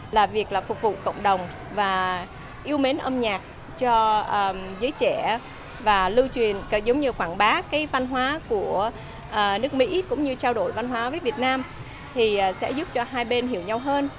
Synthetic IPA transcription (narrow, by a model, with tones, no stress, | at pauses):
laː˨˩vi˨˩ək̚laː˨˩fʊ˨˩k͡p̚vṵ˧˨kə̰˧˨wŋ͡mɗə˨˩wŋ͡m | vaː˨˩ | ʔi˧əwme˨˦nʔəː˧mɲaː˨˩k̚ | t͡ɕɔ˧ʔəː˧˩zəː˨˦jt͡ɕɛ˧˩ | vaː˨˩lɨ˧t͡ɕwi˨˩ənkə˨˩zə˨˦wŋ͡mɲɨ˧xwaː˧˩nɓaː˨˦kaː˨˦jva˧nɦwaː˨˦ku˧˩ə | ʔəː˨˩nɨ˦˥ək̚mḭ˧˥kʊ̰˧˥ŋ͡mɲɨ˧t͡ɕaː˧wɗo˧˩jva˧nɦwaː˨˦vəː˨˦jvi˨˩ət̚naː˧m | t̪ʰi˨˩ʔːsɛ̰˧˥zʊ˦˥p̚t͡ɕɔ˧ɦaː˧jɓe˧nɦi˧˩əwɲa˧wɦəː˧n